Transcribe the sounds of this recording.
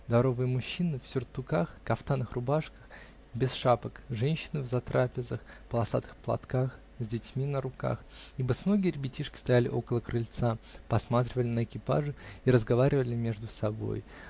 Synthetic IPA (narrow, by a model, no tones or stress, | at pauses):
d̪ɐɾo̞vɨjəmʊɕːinɨfsʲʊrt̪ʊkaxkɐft̪anɨxrʊbaʂkə̥x | bʲɪsʂapəkʐɛnʲɕːɪnɨvzɐt̪ɾʔapʲɪzəxpəlˠɐsa̰t̪ɨ̥xplˠɐ̰t̪kax | zʲdʲɪtʲmʲinəɾʊka̰xibəsnoɡʲɪːrʲbʲɪtʲiʂkʲɪ̥st̪ɐjælʲɪ̰ʔo̞kəlˠəkɾɨlʲt̪sapɐsmat̪ɾʲɪvəlʲɪnəɪkʲɪpa̰ʐɨiɾəzɡɐvaɾʲɪvəlʲɪmʲe̞ʐd̪ʊsɐbo̞̰j